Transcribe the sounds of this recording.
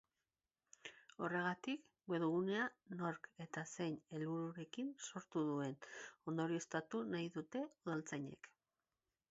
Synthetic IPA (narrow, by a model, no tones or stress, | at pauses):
o̞re̞ɣ̞at̪ik | ɡeðuɣ̞une̞ano̞ɾke̞t̪ase̞jne̞lβuɾuɾe̞kinso̞ɾt̪uðue̞no̞nd̪o̞ɾioe̞st̪at̪unajðut̪e̞uðalt͡sajɲe̞̰k